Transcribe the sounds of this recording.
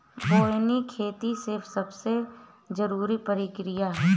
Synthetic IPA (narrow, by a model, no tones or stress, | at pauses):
boːjnikʰeːt̪isɪɾfʰsɐbse | d͡ʒəɾuːɾipəɾɪkɾɪjaɦɛ